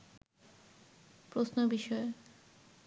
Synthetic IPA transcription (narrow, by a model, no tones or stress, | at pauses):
pɾosnobiʃɔe